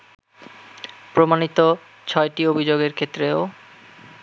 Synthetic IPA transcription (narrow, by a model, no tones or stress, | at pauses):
pɾomanit̪o | t͡ɕʰɔeʈiobʱid͡ʑoɡeɾkʰet̪ːɾeo